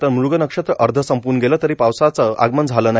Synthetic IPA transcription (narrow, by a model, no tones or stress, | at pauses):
t̪əɾmuɾɡənəkʂət̪əɾd̪ʱəsəmpuɾnəɡeləːt̪əɾiːpawsat͡səa̰ɡmənd͡zʱaləːna